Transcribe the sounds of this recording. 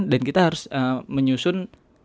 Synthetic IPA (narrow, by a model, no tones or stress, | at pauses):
ndankit̪aɦaɾʊsəməɲusʊn